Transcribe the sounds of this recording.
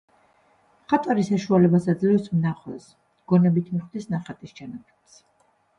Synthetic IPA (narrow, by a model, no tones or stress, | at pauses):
χat̪ʼwaɾisaʃualɛbasad̪zlɛfsmnaχwɛ̰s | ɡ̥ɔnɛbit̪ʰmiχd̪isnaχat̪ʼist͡ʃanapʰɛ̥t̪s